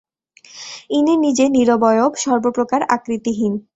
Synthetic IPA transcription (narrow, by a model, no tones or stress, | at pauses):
inenid͡ʑeniɾobɔjobʃɔɾbopɾokaɾa̰kɾit̪iɦin